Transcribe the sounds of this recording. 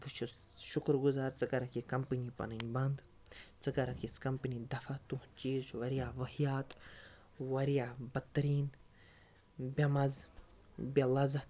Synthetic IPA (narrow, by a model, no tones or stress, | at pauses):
bɨt͡ʃʰu | ʃʊkɾɡuzaːɾt͡sɨkɐɾɐkikɐmpɨnipɐ̰nɨnʲbɐnd̪ | t͡sɨkɐɾɐkiskɐmpinid̪ɐfat̪uht͡ʃiːzʋɐɾijaːʋɐhijaːt̪ | ʋɐɾijaːbɐt̪ːɐɾiːn | bʲɐmɐz | bʲɐlɐzɐ